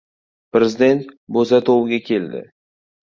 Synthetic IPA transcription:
pɾezɪd̪e̞nt̪bozat̪ʰowɪɡʲakʲʰe̞ld̪ɪ̰

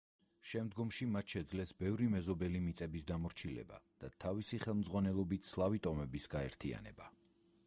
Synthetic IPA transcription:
ʃɛmd̪ɡɔmʃimat̪ʰʃɛd̪zlɛsbɛvɾimɛzɔbɛlimit̪sʼɛbisd̪amɔɾt͡ʃʰilɛ̰ba̰d̪̥at̪ʰavisiχɛlˠmd̪zʁwanɛlˠɔbit̪slˠavit̪ʼɔmɛbisɡ̥aɛɾt̪ʰia̰nɛ̰ba

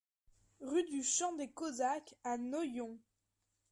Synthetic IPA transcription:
ʁyd̪yʃɑ̃d̪ekɔzakanɔjɔ̃

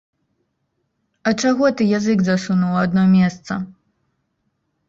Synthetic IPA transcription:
ɐt͡ʂaɣɔt̪ɨjazɨɡzasunuwad̪nɔmʲɛst̪sɐ̰

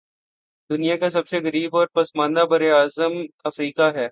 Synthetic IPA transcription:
d̪ʊnijakasɐbseɣɐɾiːbɔːɾpɐsmãːnd̪abɐɾeaːzəmɐfɾiːkaɦɛː

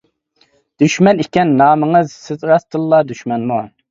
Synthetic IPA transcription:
d̪̥yʃmɛnɪkʲɛnːɑːməŋɨzsɪzɾɑst̪ɨlˠːɑd̪yʃmɛnmu

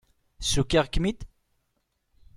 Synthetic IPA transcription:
sukɛʁkːmid̪

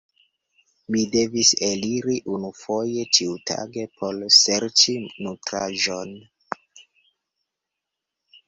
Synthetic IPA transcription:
mide̞viseliɾiʔunufo̞je̞tiutʰa̰ɡe̞pʰo̞lse̞ɾt͡ʃinutɾa̰ʒon

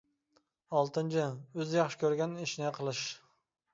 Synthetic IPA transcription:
ɑlˠt̪ɨnt͡ʃʰɪøzjɑχʃɪ̥kʲøɾɡʲɛniʃnɪqʰəlˠɨʃ

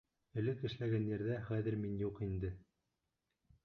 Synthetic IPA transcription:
ɘ̆lɘkɘ̆ʃlæɡænjæɾðæχæðɘ̆ɾminjuqind̪ɘ

